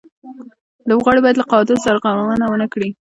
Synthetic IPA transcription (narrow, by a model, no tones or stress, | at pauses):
ləbɣɑɽebɑjad̪laqɑd̪ɪsaɾaɣawawənawənəkɽi